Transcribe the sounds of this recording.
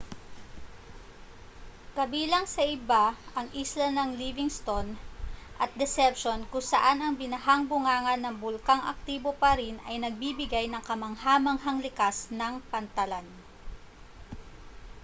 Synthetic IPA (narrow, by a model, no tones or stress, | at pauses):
kɐbiːlɐŋsɐʔɪbaʔɐŋʔislɐnɐŋlivɪŋst̪onʔɐt̪̚d̪ɛsɛp̚ʃonkʊŋsɐʔanɐŋbɪnɐɦaŋbʊŋaːŋɐnːɐŋbʊlkaŋʔɐ̰k̚t̪iːbopɐɾinɐjnɐɡ̚bibɪɡajnɐŋkɐmɐŋhaːmɐŋɦɐŋlɪkasnɐŋpɐnt̪ɐlan